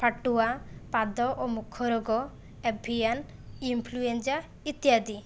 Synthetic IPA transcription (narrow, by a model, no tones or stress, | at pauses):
pʰaʈuapad̪ɔʔomukʰɔɾɔɡɔ | ebʱijan | impʰluend͡ʒa | it̪iad̪i